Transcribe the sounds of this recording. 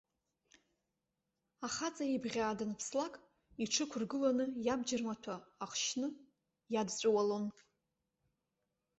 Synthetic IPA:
aχat͡sʼaribʁʲaːdɨnpʰslakʼ | iʈ͡ʂʰɨkʷʰʊrɡɨlanɨjabd͡ʒɪrmatʷʰaːχʷʃnɨ | jadt͡sʷʼawalon

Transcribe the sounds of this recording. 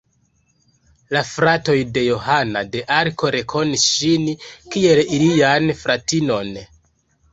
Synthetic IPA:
lafɾato̞jde̞jo̞hanade̞ʔaɾko̞ɾe̞kʰo̞nisʃinkie̞lilianfɾatino̞n

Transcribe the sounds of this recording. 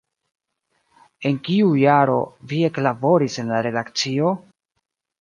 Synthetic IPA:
e̞nkiujaɾo̞̰vie̞klabo̞ɾise̞nlaɾe̞dak̚t͡sio̞

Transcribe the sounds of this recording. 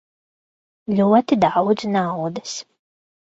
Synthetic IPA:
lʲuɔt̪id̪awd̪znawd̪ɐs

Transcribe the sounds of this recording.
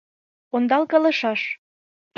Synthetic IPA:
ond̪ɑlkɑlɤ̆ʃɑʃ

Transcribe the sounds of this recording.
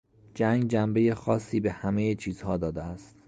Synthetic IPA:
d͡ʒæŋɡd͡ʒæmbe̞je̞xɒːsːiːbe̞hæmejet͡ʃʰiːz̥hɒːd̪ɒːd̪eæst̪

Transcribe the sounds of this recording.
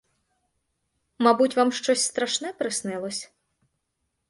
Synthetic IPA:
mabutʲvamʂt͡ʃɔsʲst̪ɾaʂnɛpɾɨsnɛlˠɔsʲ

